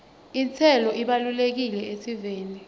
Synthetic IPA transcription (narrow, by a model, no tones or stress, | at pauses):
int͡sʰɛlɔʔiɓalulek̬ilɛesiveːni